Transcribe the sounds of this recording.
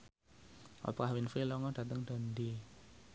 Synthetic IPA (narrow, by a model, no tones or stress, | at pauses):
ɔ̰pkahwinfilɔŋɔd̥a̤t̪əŋɖ̥a̤nd̪i